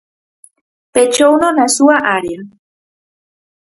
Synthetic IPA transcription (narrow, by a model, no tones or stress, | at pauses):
pet͡ʃownonasuaʔaɾiɾ